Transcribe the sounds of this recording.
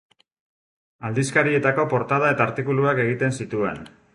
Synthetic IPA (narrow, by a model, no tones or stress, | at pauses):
ald̪iskaɾie̞t̪ako̞po̞ɾt̪að̞ae̞t̪aːɾt̪ikuluake̞ɣ̞it̪e̞nsit̪ue̞̰n